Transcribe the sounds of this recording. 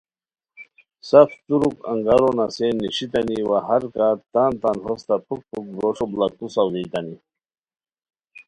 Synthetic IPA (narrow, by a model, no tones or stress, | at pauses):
saft̪uɾukɐ̰ŋɡaɾonasenːiɕit̪aniwaɦaɾkaːt̪aːnt̪anɦost̪apʰuk̚pʰuk̚bɾoʂoblak̚t̪usawd̪ijt̪ani